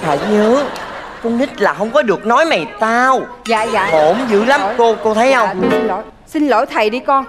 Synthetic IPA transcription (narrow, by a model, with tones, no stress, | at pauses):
fʰa̰ː˨˩jɲəː˨˦ | kə˧wŋ͡mt̪ï˦˥t̚laː˨˩ɦə˧wŋ͡mkɔ˨˦ɗɨ˨˩ək̚nɔ˨˦jma˨˩jt̪aː˧w | za̰ː˧˨ja̰ː˧˨ho˧˩mzɨ̰˧˥la˨˦m˨ko˧ko˧t̪ʰə˨˦jhə˧wŋ͡m | si˧nlo̰˧˩˦jt̪ʰə˨˩jɗi˧kɔ˧ŋ